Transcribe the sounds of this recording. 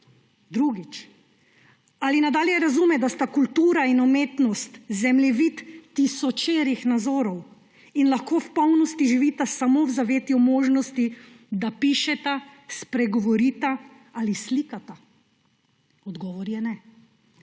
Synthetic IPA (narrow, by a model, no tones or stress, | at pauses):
d̪ɾuɡit͡ʃ | alinad̪aːljɛɾazumɛd̪ast̪akult̪uːɾainɔmeːt̪nɔst̪zɛmljɛʋit̪ːisɔt͡ʃeːɾixnazoːɾɔw | inlaxkoːwpɔwnɔst̪iʒiʋiːt̪asamowzaʋeːt̪jumoːʒnɔst̪i | d̪apiːʃɛt̪aspɾɛɡɔʋɔɾiːt̪a | alisliːkat̪a | ɔd̪ɡɔːʋɔɾjɛnɛ